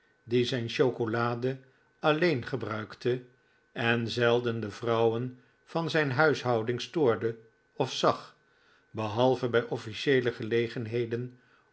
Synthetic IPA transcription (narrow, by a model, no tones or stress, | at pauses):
dizɛjnʃowkolaːdə | ɑlejnχəbrœɥktə | ɛnzɛlˠdəndəvrʌwən | v̥ɑnzɛjnɦœɥsɦʌwdɪŋstʊːɹdə | ɔfsɑχ | bəɦɑlˠvəbɛjʔɔfiʃejləχəlejχənɦejdən